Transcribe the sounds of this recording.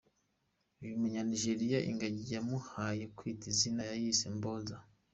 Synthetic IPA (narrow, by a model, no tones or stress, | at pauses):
iβumuɲaniʒeɾijaʔḭŋɡaɟijamuhajekwiːtizinajajisemboza